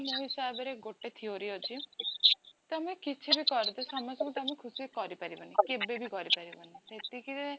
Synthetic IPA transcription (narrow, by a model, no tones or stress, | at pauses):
noɦisabeɾeɡoʈet̪ʰioɾiod͡ʒʰi | t̪amekit͡ʃʰibikɔɾd̪esɔmɔsɔkut̪amekʰusikɔɾipaɾibanikebebʱikɔɾipaɾibɔniset̪ikie